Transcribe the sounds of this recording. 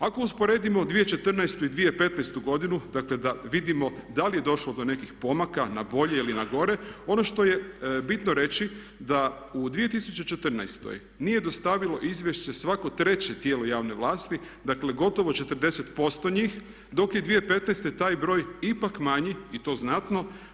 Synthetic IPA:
ako̞uspo̞ɾe̞ːd̪imo̞d̪ʋijet͡ʃet̪r̩najst̪uid̪ʋijepe̞t̪najst̪uɡo̞d̪inud̪akle̞d̪aʋid̪imo̞d̪alije̞d̪o̞ʃlo̞d̪o̞ne̞kixpo̞makanabo̞ʎe̞ilinaɡo̞ɾe̞o̞no̞ʃt̪o̞je̞bit̪noɾe̞t͡ɕi | d̪a | ud̪ʋije̞t̪isut͡ɕe̞t͡ʃe̞t̪r̩najst̪o̰j | nije̞d̪ost̪aʋilo̞ʔizʋjeʃt͡ɕe̞sʋako̞t̪ɾe̞t͡ɕet̪je̞ːlo̞jaːʋne̞ʋlˠaːst̪i | d̪akle̞ɡo̞t̪o̞ʋo̞t͡ʃe̞t̪r̩d̪e̞se̞t̪po̞st̪o̞ɲiːx | d̪o̞kjed̪ʋije̞pe̞t̪najst̪et̪aːjbɾo̞ːjipakmaɲiit̪o̞ːznat̪no̞

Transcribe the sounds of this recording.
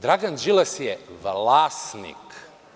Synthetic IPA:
d̪ɾaɡand͡ʒilasjɛʋlasnḭk

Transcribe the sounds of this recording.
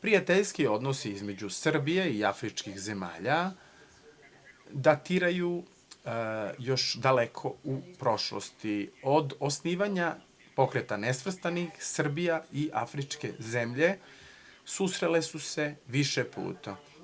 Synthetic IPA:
pɾijat̪eʎskio̞d̪nosiizme̞d͡ʑusr̩bije̞iafɾit͡ʃkixze̞ma̰ːʎa | d̪at̪iɾaju | jo̞ʃd̪alekʰo̞upɾo̞ʃlo̰st̪iod̪osniːʋaɲa | po̞kɾet̪anesʋr̩st̪anixsr̩bijaiʔa̰fɾit͡ʃke̞̰ze̞mʎe̞ | susɾe̞le̞suse̞ʋiʃepṵːt̪a

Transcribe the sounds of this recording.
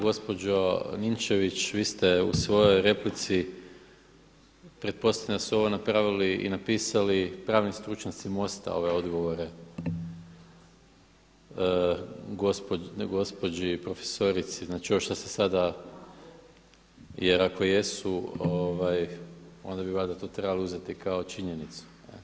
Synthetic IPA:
ɡo̞spo̞d͡ʑonint͡ʃe̞ʋit͡ʃʋiːst̪e̞ṵsʋo̞jojɾe̞plit̪si | pɾe̞t̪̚po̞said̪asuo̞ʋonapɾaʋiliḭnapiːsalipɾaːʋnist̪ɾut͡ʃɲat̪simo̞st̪a̰o̞̰ʋe̞o̞d̪ɡo̞ʋo̞ɾe̞ | ɡospoɡo̞spo̞d͡ʒipɾo̞fe̥so̞ɾit̪siznaːt͡ʃiooʃt̪ose̥sad̪a | jeɾako̞je̞suoʋajo̞̰nd̪abiβad̪at̪o̞t̪ɾe̞baliuze̞t̪ikao̞t͡ʃiɲe̞nit̪su̥ḛ

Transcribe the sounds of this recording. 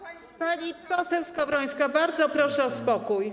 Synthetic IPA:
paɲʲipɔsɛwskavɾɔj̃skabaɾd̪zɔpɾɔʂɛɔspɔkuj

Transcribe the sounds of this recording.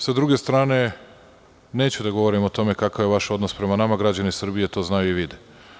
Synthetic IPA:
sad̪ɾuɡe̞st̪ɾaːne̞ | ne̞ːt͡ɕud̪aɡo̞ʋo̞ɾimot̪o̞me̞kakaʋjeʋaʃo̞d̪nospɾe̞manamaɡɾad͡ʑanisr̩bije̞t̪o̞znajuiʋid̪e

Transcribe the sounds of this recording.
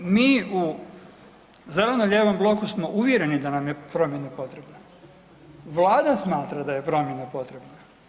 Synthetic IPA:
miːu | ze̞le̞noʎeːʋo̞mblˠo̞kusmo̞ʔuʋʲje̞ɾe̞nid̪anamje̞pɾo̞mjenapo̞t̪ɾe̞bna | ʋlˠaːd̪asmaːt̪ɾad̪aje̞pɾo̞mje̞napo̞t̪ɾe̞bna

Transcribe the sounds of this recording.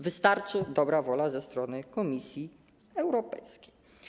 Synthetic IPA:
vɘst̪aɾt͡ʂɘd̪ɔbɾavɔlazɛst̪ɾɔnɘkɔmʲisʲji | ɛwɾɔpɛ̰jskʲej

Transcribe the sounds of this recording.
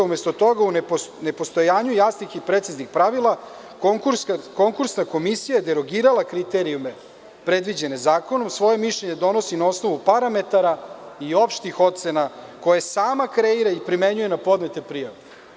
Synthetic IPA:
umest̪o̞t̪o̞ɡaunne̞po̞st̪o̞jaːɲujasnixipɾet̪siznixpɾaʋilˠa | kokuɾko̞ŋkuɾsnako̞misijajed̪eɾo̞ɡiːɾalˠakɾit̪e̞ɾijume̞ | pɾe̞d̪ʋid͡ʑe̞nezaːko̞no̞msʋo̞je̞miʃlʎe̞ɲe̞d̪o̞no̞sinao̞sno̞ʋupaɾame̞t̪aɾaio̞pʃt̪ixo̞t̪t̪senako̞jesaːmakɾe̞iɾaipɾime̞ɲuje̞napo̞d̪ne̞t̪e̞pɾijaʋe

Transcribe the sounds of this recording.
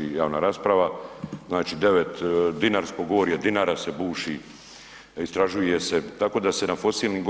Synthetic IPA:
ijaːʋnaɾaspɾaʋaznaːt͡ʃid̪e̞ʋet̪d̪inaɾsko̞ɡooɾjed̪inaɾase̞buːʃi | ist̪ɾaʒujeset̪ako̞d̪ase̞nafo̞siːlnimɡ

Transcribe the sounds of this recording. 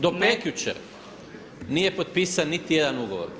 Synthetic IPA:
d̪opekjut͡ʃḛ | nije̞pot̪̚piːsanːit̪ije̞d̪anuɡo̞ʋo̰ɾ

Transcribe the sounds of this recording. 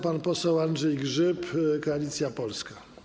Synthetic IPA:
panpɔsɛwandʐɛjɡʐɘpkɔalʲit̪sʲjapɔlska

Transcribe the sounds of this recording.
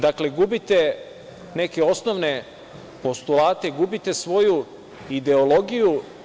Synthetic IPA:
d̪akleɡubit̪e | neke̞o̞snoʋne̞ | po̞st̪ulˠaːt̪eɡubit̪e̞sʋo̞ju | id̪e̞olo̞ɡiju

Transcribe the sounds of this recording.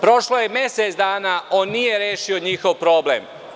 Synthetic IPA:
pɾo̞ʃlojemjeset̪sd̪aːnaːo̞ːnːije̞ɾjeːʃio̞ɲixo̞ʋpɾo̞ːblḛm

